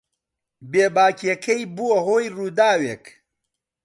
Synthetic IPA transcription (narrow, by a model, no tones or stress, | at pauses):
beːbaːkiɐkʰɐjbuwɐɦoːjruːd̪aːweːk